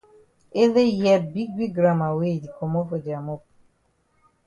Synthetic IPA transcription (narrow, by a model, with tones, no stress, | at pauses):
ɪ˦ðe˦jɛ˦bi˦ɡ̚ɡ͡bi˦ɡɾa˦ma˨we˦˨di˨ko˨mo˦fo˨d͡ʒi˨a˨mo˦p̚